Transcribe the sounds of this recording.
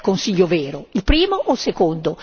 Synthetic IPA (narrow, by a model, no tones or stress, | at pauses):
konsiʎːoveːɾoilpɾiːmoʔːlsekond̪o